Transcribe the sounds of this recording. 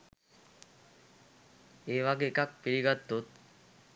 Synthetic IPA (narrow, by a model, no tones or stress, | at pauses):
eːʋaɡeːkak̚piɾiɡat̪ːut̪̚